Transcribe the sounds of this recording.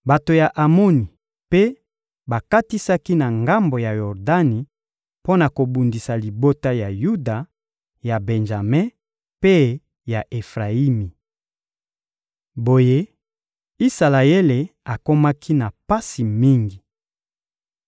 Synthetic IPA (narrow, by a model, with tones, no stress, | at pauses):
ba˨to˨ja˨ʔa˨mo˦ni˨ | pe˦ | ba˨ka˦ti˦sa˦ki˦na˨ŋɡa˦mbo˨ja˨jɔ˨ʁda˦ni˨ | po˦na˨ko˨bu˨ndi˨sa˨li˨bo˦ta˦ja˨ju˦da˨ | ja˨be˨nʒa˨me˦ | pe˦ | ja˨ʔe˨fʁa˨i˦mi˨ | bo˨je˦ | i˦sa˨la˨e˦le˨a˨ko˦ma˦kʰi˦na˨pa˦si˨mi˦ŋɡi˨